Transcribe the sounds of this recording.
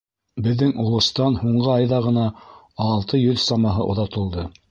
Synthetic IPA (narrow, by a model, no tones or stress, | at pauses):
bɘ̆ðːɘŋŭlˠɤ̆st̪ɑnhuɴɢɤɑjðɑʁɤ̆nɑː | lˠt̪ɤjɵðsɑmɑɦɤ̰ʔŏ̰ðɑt̪ɤ̆lˠd̪ɤ